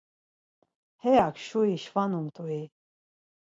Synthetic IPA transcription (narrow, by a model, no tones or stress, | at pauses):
hɛjakʰʃuiʃvanumt̪ʰui